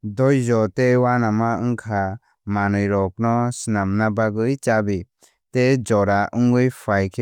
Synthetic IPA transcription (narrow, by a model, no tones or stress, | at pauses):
dɔjzɔtewanamaɯŋkʰa | manɯjɾɔk̚nɔsinamnabaɡɯjt͡ʃabi | ted͡ʒɔɾaʔɯŋɡɯjpʰajkʰe